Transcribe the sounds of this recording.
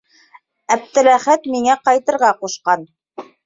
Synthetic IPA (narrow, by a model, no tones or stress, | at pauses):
æb̚t̪ɘ̆ɾæχæt̪miŋæqɑjt̪ɤ̆ɾʁɑquʃqɑn